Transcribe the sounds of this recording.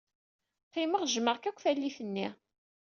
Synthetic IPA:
qiməʁʒməʁkækʷːfælːiθənːi

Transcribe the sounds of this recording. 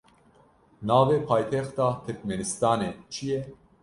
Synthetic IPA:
nɑːveːpʰaːjt̪ʰɛxt̪ɑːt̪ʰɨɾkmɛnɨst̪ɑːneːt͡ʃʰijɛ

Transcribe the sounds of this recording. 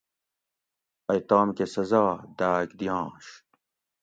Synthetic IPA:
ɐjt̪aːmkesɐzaːd̪aːkd̪ijɑ̃ːɕ

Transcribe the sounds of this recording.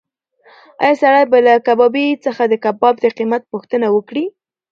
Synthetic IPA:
ɑ̰jɑsaɽajbalakabɑbit͡səxad̪əkabɑb̚d̪əqimat̪̚puxt̪ənawəkɽi

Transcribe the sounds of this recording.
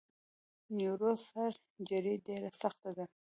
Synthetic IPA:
nuɾozhaɾ | d͡ʒaɾiɖeɾasaxt̪ad̪a

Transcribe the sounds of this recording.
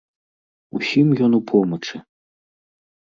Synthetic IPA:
usʲimjɔnupʰɔmɐt͡ʂɨ

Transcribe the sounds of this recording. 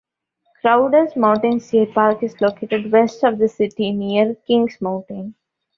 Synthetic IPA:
kɾaʊɖəɾzmãʊ̃ɳʈɪ̃nsepaːɾkɪzloːkeːʈeɖʋɛsʈɔʋd̪əsɪʈiniəɾkɪ̃ŋɡsmãʊ̃ɳʈɪ̃n

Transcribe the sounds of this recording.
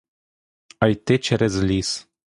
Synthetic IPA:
ajt̪et͡ʃeɾezlis

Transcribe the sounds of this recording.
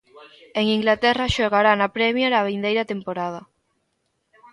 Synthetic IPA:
eŋiŋɡlat̪ɛrɐʃoɣaɾanapɾɛmjaɾaβind̪ejɾɐt̪empoɾað̞ɐ

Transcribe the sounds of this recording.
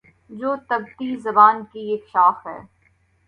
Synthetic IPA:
d͡ʒoːt̪ɐb̚t̪izɐbaːnkieːkʃaːxɦɛ̰ː

